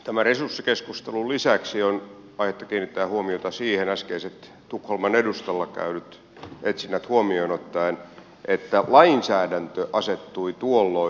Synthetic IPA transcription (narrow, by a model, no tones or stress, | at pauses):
t̪æmæresursːikeskust̪elulisæksionɑihet̪ːɑ̥kiːnːit̪ːæːhuomiot̪ɑsiːhenæskeiset̪ | t̪ukholmɑnedust̪ɑlːɑkæ̰ynyt̪ | et̪sinːæt̪huomioinot̪ːɑin | ʔet̪ːælɑinsæːdænt̪øʔɑset̪ːuit̪uolːo